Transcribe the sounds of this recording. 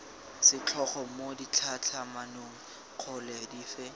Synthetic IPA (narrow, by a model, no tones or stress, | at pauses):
sɪt͡ɬʰɔχɔmodit͡ɬʰat͡ɬʰamanoŋ̩ | q͡χʰʊlɛdiːfɛ